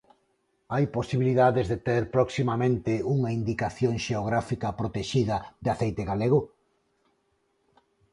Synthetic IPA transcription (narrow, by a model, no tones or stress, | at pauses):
ajposiβiliðaðezðet̪eɾpɾɔksimamẽnt̪ɪuŋaind̪ikaθjoŋʃeoɣ̞ɾafikɐpɾot̪eʃiðɐðɪaθejt̪eɣaleɣʊ